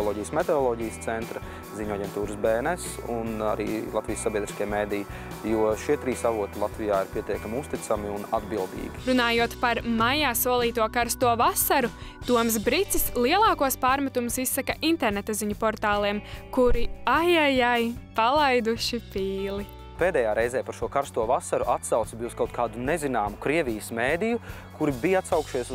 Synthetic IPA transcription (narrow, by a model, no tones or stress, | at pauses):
lˠɔːɟijəsmɛt̪eɔlˠɔːɟijəst̪sɛnt̪ɾɐ | ziɲuaɟʲɛnt̪uːɾəsbɛːnɛsṵna̰ɾḭːlˠat̪vʲijsːabiɛd̪ɾiskʲiɛmeːd̪ij | juɔʃiɛt̪ɾiːsaʋuɔt̪ilˠat̪vijaːiɾpiɛt̪iɛkamʲust̪it̪amiunad̪bilˠd̪ḭːɡiɾunaːjuɔt̪paɾmajaːsuɔlˠiːt̪uɔkaɾst̪uɔvasaɾut̪uɔms̬bɾit̪sislˠiɛlˠɑːkuɔspaːɾmat̪umusisːakaʔint̪ɛɾnɛt̪aziɲupɔɾt̪aːlˠiɛmkuɾiajajajpalˠajd̪uʃipiːlˠi | peːd̪ɛjaːɾɛjzɛːpaɾʃuɔkaɾst̪uɔvasaɾuʔat̪sawt̪sbiuskawt̪̚kʰaːd̪unɛzinaːmukɾiɛvijəsmeːd̪iju | kuɾibijat̪sawkʃiɛs